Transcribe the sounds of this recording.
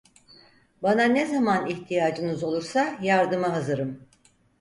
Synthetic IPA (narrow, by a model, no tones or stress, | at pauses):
bananezamaniçt̪ʰijaːd͡ʒɯnɯzo̞lˠuɾsajaɾd̪ɯmaɦazɯɾɯm